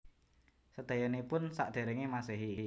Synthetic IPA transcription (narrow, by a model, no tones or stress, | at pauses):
səd̪̥a̤jɔnipʊnsa̰ʔd̪̥e̤ɾɛŋimaseɦi